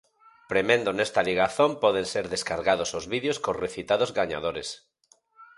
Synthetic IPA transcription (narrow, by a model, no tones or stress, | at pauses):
pɾemẽnd̪onest̪aliɣ̞aθompɔð̞enseɾðeskaɾɣaðosozβiðjoskoreθit̪aðozɣaɲa̰ð̞oɾes